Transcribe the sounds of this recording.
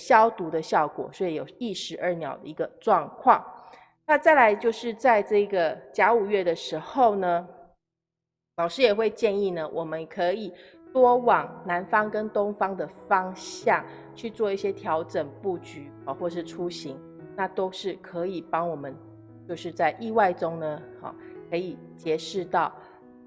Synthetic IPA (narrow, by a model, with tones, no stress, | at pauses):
ɕjɑ˥ʊt̪u˧˥d̪ə˧ɕjɑ˥˩ʊkwɔ̰˨˩swɔ˧˥i˨jo˨˩ʊi˥˩ʂɻ̩˧˥ə˥˩njɑ˨˩ʊd̪ə̰˦i˧˥ɡə˧ʈ͡ʂwɑ˥˧ŋkʰwɑ˥˩ŋ | na˥˧t͡sa˥˩ɪla˧˥ɪt͡ɕjo˥˧ʊʂɻ̩˥˧t͡sa˥˧ɪʈ͡ʂɤ˥˩ɡə˩t͡ɕja˧˥u˨˩ɥɛ˥˩d̪ə˩ʂɻ̩˧˥xo˥˩ʊnə˩ | lɑ˨˩ʊʂɻ̩˥jɛ˨˩xwe˥˧ɪt͡ɕjɛ˥˧ni˥˩nə˩wʔɔ˨˩mə˦nkʰɤ˧˥i˨˩ | t̪wɔ˥wɑ˨˩ŋna˧˥nfɑ˥ŋkə˦nt̪ʊ˥ŋfɑ˥ŋd̪ə˨fɑ˥ŋɕɕjɑ˥˨˩ŋ | t͡ɕʰy˥˧t͡swɔ˥˧i˥˩ɕjɛ˦t̪ʰjɑ˧˥ʊʈ͡ʂə˨˩ŋpu˥˩t͡ɕy˧˥˦xwɔ˥˧ʂ̬ɻ̩˥˩ʈ͡ʂʰu˦ɕi˧˦ŋ | na˥˨t̪o˥ʊʂɻ̩˥˩kʰɤ˧˦i˨˩pɑ˥ŋwɔ˨˩mə˦n | t͡ɕjo˥˧ʊʂɻ̩˥˧t͡sa˥˧ɪʔi˥˧wa˥˩ɪʈ͡ʂʊ˥ŋnə˨hɔ̰˨˩kʰɤ˧˥i˨˩ | t͡ɕjɛ˧˦ʂɻ̩˥˧t̪ɑ˥˩ʊ